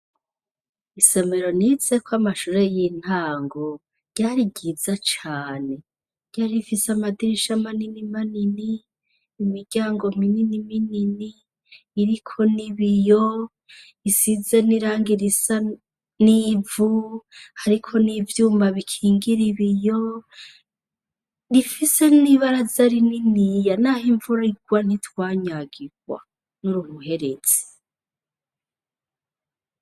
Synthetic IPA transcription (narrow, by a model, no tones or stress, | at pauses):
ise̞me̞ɾo̞nize̞kwamaʃuɾe̞jin̥haːŋɡo | ɾɟ̥aɾiɟiːzat͡ʃaːne̞ | ɾɟ̥aːɾifiseamadiɾiʃamaninimaniniː | miɾɟaːŋɡo̞mininimininiː | ɾikʰo̞niβijo | isize̞niɾaːŋɡiɾisa | nivuhaɾikʰo̞nivjuːmbaβikʰiːŋɡiɾiβijo̞ | ɾifise̞niβaɾazaɾininijanahiɱvuɾiɡwan̥itwaːɲaɡiɡwa̰ | nuɾuhuhe̞ɾez̥i̥